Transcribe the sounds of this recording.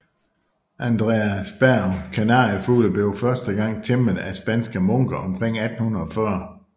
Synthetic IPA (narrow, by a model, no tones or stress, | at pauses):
ʔænd̥ʁeæsb̥æɐkʰænɑ̈ːəfuːləb̥le̝ʊfɶɐsd̥əɡ̥ɑ̈ŋ̰t͡sʰemð̩ˠæsb̥ænsɡ̥əmɔ̽ŋ̰ɡ̥ɐʔɒ̽mkʰʁeŋ̰æd̥n̩hunð̩ˠɒ̽fɶɐ